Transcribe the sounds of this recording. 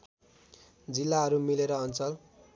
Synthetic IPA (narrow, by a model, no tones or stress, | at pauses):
d͡zilːaɦʌɾumileɾʌːnt͡sʌl